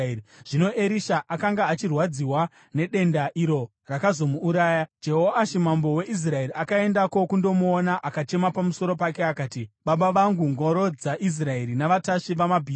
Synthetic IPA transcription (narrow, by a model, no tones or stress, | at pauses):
ʐ̥ino̞ʔe̞ɾiʃaʔakaŋɡaːt͡ʃirwad͡ziwa | ne̞ɗe̞ndaʔiɾo̞ | rakazo̞muːɾaːjad͡ʒe̞ɦo̞aʃimambo̞we̞ʔis̬rae̞ɾiakae̞ndako̞kundo̞muonaʔakat͡ʃe̞mapamuso̞ɾo̞pakeakaːtiɓaɓaʋaŋɡuŋɡo̞ɾo̞d͡zaʔis̬rae̞ɾinaʋataʃiʋamabʱiː